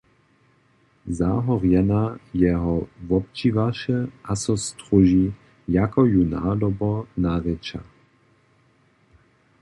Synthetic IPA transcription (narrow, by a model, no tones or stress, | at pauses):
zaɦɔʁjɛnajɛɦɔvɔp̚t͡ʃivaʃɛasɔst̪ɾuʒi | jakɔjuna̰ːdɔbɔnaʁɛt͡ʃa̰